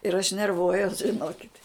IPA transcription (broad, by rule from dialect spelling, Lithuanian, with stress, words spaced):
ɪr ɐʃ nʲɛrˈʋuɔjuɔs ʒʲɪˈnoːkʲɪtʲ